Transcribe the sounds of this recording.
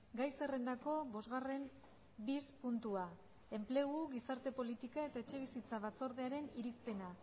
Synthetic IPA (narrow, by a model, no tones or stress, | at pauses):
ɡajse̞re̞nd̪ako̞βo̞zɣare̞m | bispunt̪ua | e̞mple̞ɣuɣisaɾt̪e̞po̞lit̪ikae̞t̪aet͡ʃe̞β̞isit͡saβ̞at͡so̞ɾðeaɾe̞niɾispe̞na